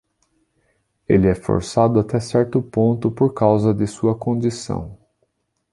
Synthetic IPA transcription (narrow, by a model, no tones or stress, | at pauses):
elɪɛfo̰ɾsad̪ʊat̪ɛsɛɾt̪ʊpõnt̪ʊpoɾkawzɐd̪ɪsuɐkõnd̪isɐ̰̃w̃